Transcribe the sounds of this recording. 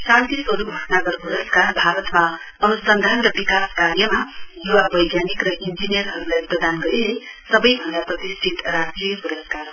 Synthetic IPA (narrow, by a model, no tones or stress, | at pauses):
sãnt̪iswʌɾuɡʱʌʈnaɡʌrkuɾʌskarbʱaɾʌt̪ma | ʌnusʌnd̪ʱanɾʌbikaskarjʌmajuwabʌjɡjanikrʌʔind͡ʒinijʌrɦʌɾulajprʌd̪ʱanɡʌɾinesʌbʌjbʱʌnd̪aprʌt̪isʈʰit̪rasʈrijʌkuɾʌskar